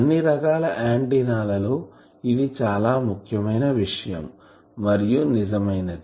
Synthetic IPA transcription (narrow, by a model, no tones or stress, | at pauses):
ɐnːiɾɐɡaːlɐʔaːɳɖinaːlɐlo̞ː | id̪it͡ʃaːlaːmukʰjɐmɐjnɐʋiʂɐjɐ̰mː | ɐɾijunizɐmɐjnɐd̪i